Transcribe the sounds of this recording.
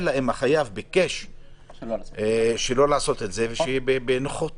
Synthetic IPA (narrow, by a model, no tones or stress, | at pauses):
laemaχajavbikeʃ | ʃelo̞laːso̞t̪etzeveʃejibebenoχot̪